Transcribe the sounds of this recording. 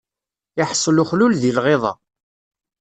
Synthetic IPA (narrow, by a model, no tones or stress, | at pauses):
jəħsˤːluχlulðilʁeðˤɑ̰